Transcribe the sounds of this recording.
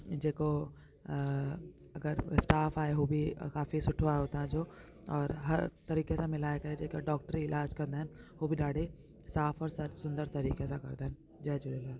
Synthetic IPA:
d͡ʒeːko | ɐɡəɾsʈaːfaːeɦoːbʱikaːfisʊʈʰoaːeɦoːt̪aɦd͡ʒoː | ɔːɾɦɐɾt̪ɐɾiːkesẽmɪlaːekɐɾed͡ʒeːkeɖɔːk̚ʈəɾiɪlʔaːd͡ʒkɐɾnd̪aɦɛnɦoːbʱiɖaːɽe | saːfʰɔːɾsɐɾsʊ̃nd̪əɾt̪ɐɾiːkesakɐ̰ɾd̪aɦɛn | d͡ʒɛːd͡ʒʊɾelaː

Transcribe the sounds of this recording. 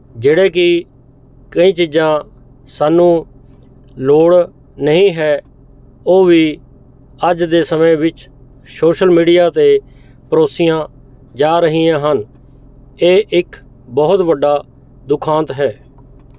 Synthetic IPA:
d͡ʒeːɽeːk̬ɪ | kəĩːt͡ʃɪd͡ʒãː | saːnːũː | loːɽ | nəɦĩːɦɛː | oːʋiː | əd͡ʒd̪eːsəmə̃ʋɪt͡ʃ | soːʃəlmiːɖijaːt̪eː | pəɾoːsɪjãː | d͡ʒaːɾəɦiːjãːɦən | eːʔɪk | bɔɦʊt̪bəɖːaː | d̪ʊkʰãːnt̪ɦɛː

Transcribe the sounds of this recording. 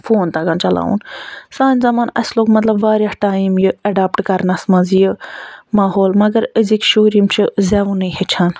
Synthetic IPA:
fʰoːnt̪ɐɡant͡ʃɐla̰ːṵnsaːnʲzɐmaːnɐ̰sloːkmɐt̪lɐbʋaːɾʲjahʈaːimjɨɐɖaːpʈkɐɾnɐsmɐzjɨmaːɦoːlmɐɡɐɾəzikʃoːɾimt͡ʃʰizɛʋunɨɦet͡ʃʰan

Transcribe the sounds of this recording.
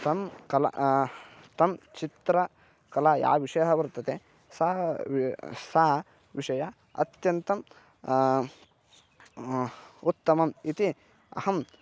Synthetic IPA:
t̪ɐmkɐla̰ | t̪ɐmt͡ʃit̪ɾɐ | kɐlaːja̰ːʋiʂɐjɐɦɐʋɐɾt̪ɐt̪e | sɐ | saː | ʋiʂɐja | ɐ̰t̪jɐnt̪ɐm | ut̪ːɐmɐmit̪i | ɐ̰hɐm

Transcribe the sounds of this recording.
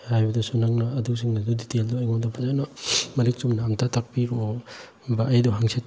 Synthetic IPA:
hajbɐdɐsunaŋnaːdus̬iŋnaduditeldɔajɡɔmdapʰazanamɐɾik̚sumnamtʰatʰak̚piɾo | baʔːjdɔɦaŋsʰet

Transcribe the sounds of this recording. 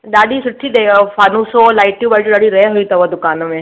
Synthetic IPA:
d̪aɽiːsuʈʰːiːd̪efanusolajʈjubad͡ʑuɖ̪aɽiɾeɦoit̪əʋəd̪ukanəme

